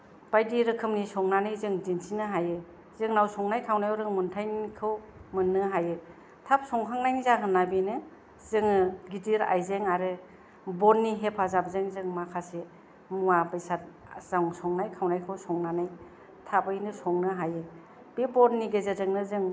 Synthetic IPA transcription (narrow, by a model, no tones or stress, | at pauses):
b̥ajdiɾɯkʰɯmnisɔŋnanɯjzɯŋdinsinɯɦajɯ | zɯŋnawsɔŋnajkʰawnajɔwɾɯŋmɯntʰajnkʰɯwmɯnːɯɦajɯ | tʰap̚sɔŋkʰaŋnajŋzaɦɯnːabinɯ | zɯŋɯɡitiɾa̰jzeŋaɾɯ | bɔnːiɦepʰazab̚zeŋzɯŋmakʰase | muwabɯjsat̚ | z̥awŋsɔŋnajkʰawnajkʰɯwsɔŋnanaj | tʰabɯjnɯsɔŋnɯɦajɯ | b̥ebɔnːiɡezazɯŋnɯzɯŋ